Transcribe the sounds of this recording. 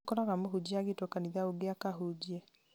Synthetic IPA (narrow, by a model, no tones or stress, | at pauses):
kɔɾaɣamoɦud͡ʑiaɣetokaniðaoɡeakaɦud͡ʑiɛ